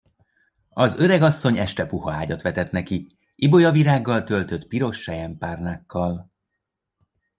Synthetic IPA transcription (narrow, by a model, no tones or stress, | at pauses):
ɒzø̞ɾɛɡɒsːo̞ɲɛʃt̪ɛpuɦɒaːɟɒt̪ʋɛt̪ɛt̪nɛki | ibo̞jɒviɾaːɡːɒlt̪ø̞lt̪ø̞t̪piɾo̞ʃːɛjɛmpaːrnaːkːɒl